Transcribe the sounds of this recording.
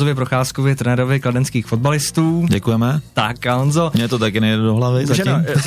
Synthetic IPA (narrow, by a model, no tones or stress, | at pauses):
ovjɛp̬ɾoxaːskovɪt̪ɾɛnɛɾovɪkladɛnskiːxfo̞d̪̚balɪst̪uːɟɛkujɛmɛt̪akaonzomɲɛt̪ot̪akɪnɛjɛdɛdoɦlavɪzaʒɛo